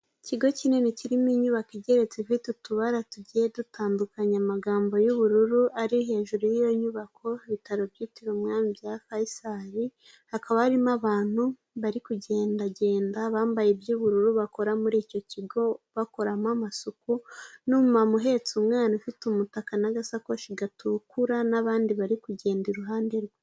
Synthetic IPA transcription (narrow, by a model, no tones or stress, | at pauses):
ciɡo̞cine̞niciɾimiɲuβakiɟe̞ɾe̞t͡sefitutuβaɾatuɟije̞dutʰaːndukaɲamaɡaːmbo̞juβuɾuɾuaɾiɦe̞ːʒuɾujijo̞ɲuβakʰo̞iβitaɾobjiːtiɾomŋaːmivjafaisaɾi | hakaβahaɾimaβaːn̥hu | βaɾikuɟe̞ːndaɟe̞ːndaβaːmbajebjuβuɾuɾuβako̞ɾamuɾiːco̞ciɡo̞βako̞ɾamamasukunuːmumamuɦe̞t͡sumŋaːnufitumutakanaɡasakoʃiɡatukuɾanaβaːndiβaɾikuɟe̞ːndiɾuɦaːndeɾɡe